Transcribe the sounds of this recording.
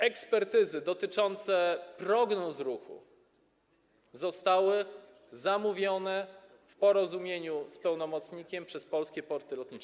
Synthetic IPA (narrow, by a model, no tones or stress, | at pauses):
ɛkspɛɾt̪ɘzɘd̪ɔt̪ɘt͡ʂɔnt̪sɛpɾɔɡnɔzɾuxṵ | zɔst̪awɘ | zamuvʲjɔnɛ | fpɔɾɔzumʲjeɲuspɛwnɔmɔt̪sɲikʲɛmpʂɛspɔlskʲɛpɔɾt̪ɘlɔt̪ɲit͡ʂɛ